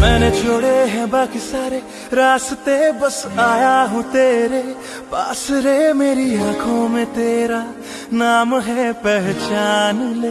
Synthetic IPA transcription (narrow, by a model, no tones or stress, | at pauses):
mɛ̃ːnet͡ʃʰoːɽeɦɛ̃baːkisaːɾe | ɾaːst̪ebəsaːjaɦũt̪eːɾe | paːsɾemeːɾiaːkʰõmẽt̪eːɾa | naːmɦɛpɛɦt͡ʃaːnle